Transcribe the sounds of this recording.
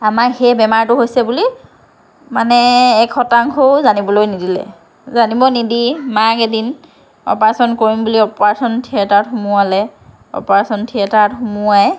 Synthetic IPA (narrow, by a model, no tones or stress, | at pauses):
amakhɛbɛmaɹtʊɦojsɛbuli | manɛːkʰːɔtaŋxʰozanibɔlojnidilɛ̰ | zanibɔnidimakedin | ɔ̰paɹasɔnkoɹimbuliɔpɔɹasɔntʰiɛtaɹtxumʊalɛ | ɔ̰pɔɹasɔntʰiɛtaɹtxumuaj